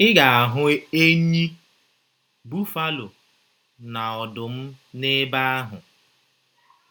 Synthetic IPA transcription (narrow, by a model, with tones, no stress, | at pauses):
ɪ˦ɡa˨a˨ɦʊ˨e˦ɲi˦ | bu˦fa˦lʊ˨ | na˨ɔ˨dʊ˨m̩˦ne˦ba˦a˦ɦʊ˨